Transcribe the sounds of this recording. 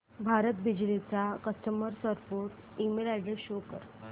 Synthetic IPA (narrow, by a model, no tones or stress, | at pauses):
bʱaɾət̪bid͡ʑlit͡sakəsʈəməɾsəɾpoɾʈ | imelaɖeɕokə̰ɾ